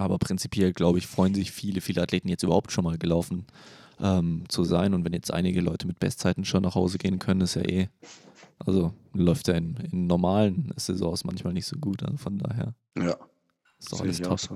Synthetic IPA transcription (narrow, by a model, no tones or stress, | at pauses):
ʔaːbɐpʁ̥ɪnt͡si̥pjɛlɡlaʊbəɪfʁ̥ɔʏənzɪçfiːləfiːləatleːtn̩jɛt͡styːbɐhaʊp̚tʃoːnmaːlɡəlaʊfn̩ʔɛːmt͡suzaɪnʊntvɛnjɛt͡stʔa̰ɪnɪɡəlɔ̰ʏtʰəmɪt̚b̥ɛ̰stt͡saɪtn̩ʃoːnʔaχhaʊzəɡeːənkʰœnənɪsja̰ːʔeː | ʔa̰lzolɔʏftjaːɪnɪnːɔɐmaːlənz̥ɛzɔ̰̃ːsmançmaːlnɪçtz̥oːɡuːtʔa̰zofɔnda̰ːɦḛːɐ | a | ɪstd̥ɔ̰χʔaləsʰɔf